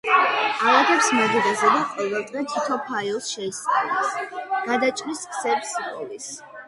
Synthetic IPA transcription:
alˠat̪ʰɛpsmɔd̪idazɛd̪aqʼɔvɛlˠt̪ʼʁɛt̪ʰit̪ʰɔpʰailˠsʃɛist̪ʼa̰lɛsɡ̥ad̪at͡ʃʼɾiskʰsɛbsbɔlis

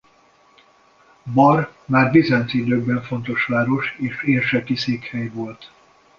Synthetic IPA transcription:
bɒrmaːrbizant̪id̪øːɡ̚bɛɱfo̞nt̪o̞ʃʋaːɾo̞ʃeːʃeːrʃɛt̪iseːkhɛjvo̞lt̪

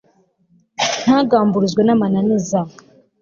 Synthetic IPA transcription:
n̥haːɡaːmbuɾuzɡwenamananiza

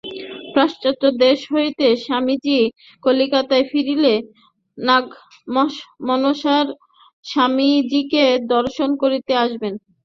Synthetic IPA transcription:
pɾaʃt͡ɕot̪od̪eʃɦojet̪eʃamid͡ʑi | kolikat̪aefiɾile | naɡ | mmɔnoʃaɾ | ʃamid͡ʑiked̪ɔɾʃonkoɾit̪eaʃben

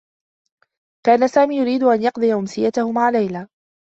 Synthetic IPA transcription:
kaːnasaːmiːjʊɾiːd̪ʊʔanjɑqd̪ˤɨjaʔʊmsɪjat̪ahʊmaʕalajlaː

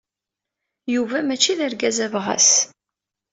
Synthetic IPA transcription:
juvæmæt͡ʃːiðəɾɡæzævʁæ̰s

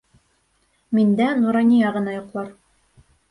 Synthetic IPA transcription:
mind̪ænuɾɑnʲijɑʁɤ̆nɑjŏqlˠɑɾ

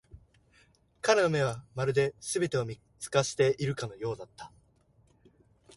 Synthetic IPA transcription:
kaɾeno̞me̞β̞amaɾɯ̟d̪e̞sɨbe̞t̪e̞o̞mʲi | t͡sɨ̥kaɕi̥t̪e̞ʔiɾɯ̟kano̞jo̞ːd̪at̪ʰːḁ

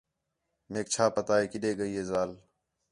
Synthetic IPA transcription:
meːk̚t͡ʃʰaːpət̪aːɦeːkɪɗeːɠəiːɦeːzaːl

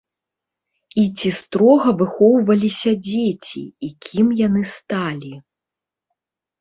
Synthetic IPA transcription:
it͡sʲist̪ɾɔɣɐvɨxɔwvɐlʲisʲɐd͡zʲet͡sʲḭːkʲʰimjanɨst̪alʲi

